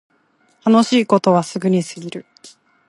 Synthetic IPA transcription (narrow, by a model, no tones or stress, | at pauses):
t̪ano̞ɕiːko̞t̪o̞βasɨɡɯ̟ɲ̟isɨɡʲiɾɯ̟